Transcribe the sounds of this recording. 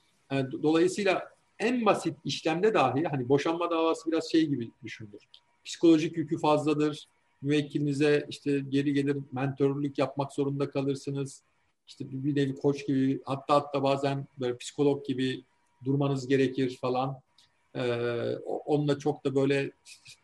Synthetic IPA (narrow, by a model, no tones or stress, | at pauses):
ɛd̪o̞lˠajɯsɯːjlʲˠa | ænbasit̪iʃlʲæmd̪ɛd̪aːɦilʲhanibo̞ʃanmad̪aːvaːsɯbiɾazʃe̞jɟibid̪yʃynd̪yɾ̥ | pʰi̥si̥ko̞lʲˠo̞ʒicjycʰyfazlˠad̪ɯɾ̥ | myvɛcʰːilʲinizɛiʃt̪ʰɛɟe̞ɾiɟe̞lʲiɾmɛnt̪ʰøɾlʲycjap̚makz̥o̞ɾund̪akʰalˠɯɾsɯnɯz̥ | iʃt̪ʰɛbibinevikʰo̞t͡ʃɟibihat̪ʰːaːɦat̪ʰːaːbaːzænbø̞jlʲɛpʰi̥si̥kʰo̞lʲˠok̚ɟibi | d̪uɾmanɯzɟe̞ɾecʰiɾ̥falˠan | ɛːo̰ʔonlˠat͡ʃʰo̞k̚td̪abø̞jlʲɛʃʰɛ